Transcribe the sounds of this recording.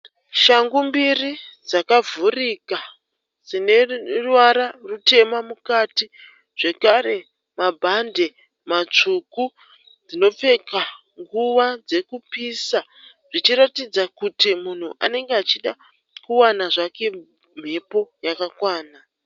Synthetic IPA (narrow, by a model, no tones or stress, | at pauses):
ʃaŋɡumbirid͡zakavʱurika | sine̞ruwaɾarute̞mamukati | ʐ̥e̞kaɾe̞ | mabʱande̞ | mat͡ʂuku | d͡zino̞p͡fe̞ka | ŋɡuʋad͡ze̞kupisa | ʐit͡ʃiɾatid͡zakutimun̤uʔa̰ne̞ŋɡeat͡ʃiɗa | kuwanaʐake̞ | m̤e̞po̞jakakwaːna